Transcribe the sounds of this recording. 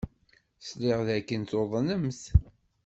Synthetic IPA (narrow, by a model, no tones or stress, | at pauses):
slɪʁðækːənt̪oðˤənəmθ